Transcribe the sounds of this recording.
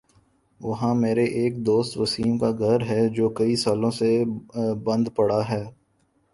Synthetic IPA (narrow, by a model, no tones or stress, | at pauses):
ʋɐɦãmeːɾeʔeːk̚d̪oːst̪ʋɐsiːmkaɡʱɐɾɦɛd͡ʒoːkɐisaːlõsebɐ̃nd̪pɐɽaɦɛː